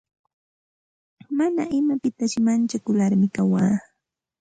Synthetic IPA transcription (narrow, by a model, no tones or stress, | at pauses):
manaʔɪmapɪt̪aʃɪmant͡ʃakʊlaɾmɪkawaː